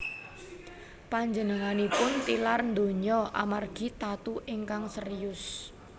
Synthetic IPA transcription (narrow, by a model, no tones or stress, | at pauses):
paɲd͡ʒənəŋanipʊnt̪ilarnd̪o̤ɲɔʔa̰marɡ̥i̤t̪at̪uʔiŋkaŋsərijʊs